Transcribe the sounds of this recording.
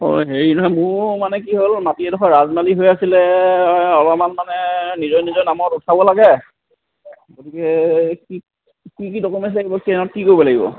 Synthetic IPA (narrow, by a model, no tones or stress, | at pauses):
o̰jɦeɹinɔɦɔmʊɹmanɛk̬iɦolmatiɛdɔxʰɔɹazmaliɦojasilɛ | ɔlɔmanmanɛnizɔjnizɔjnamɔtutʰabɔlaɡɛ | ɡotikɛki | kik̬idɔkɔmas̬laɡibɔkiɔt̚kikojbɔlaɡibɔ̰